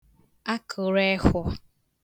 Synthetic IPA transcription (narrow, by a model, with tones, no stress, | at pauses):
a˦kʰʊ˨ɾe˦xʷɔ˦